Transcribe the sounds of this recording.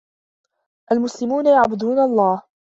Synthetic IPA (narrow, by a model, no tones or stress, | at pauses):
ʔalmʊslɪmuːnajaʕbʊd̪uːnaʔɑlˤːɑːh